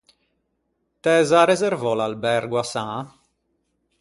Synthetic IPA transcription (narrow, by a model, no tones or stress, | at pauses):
t̪ɛːzaɾɛzɛɾvɔlalbɛɾɡwasã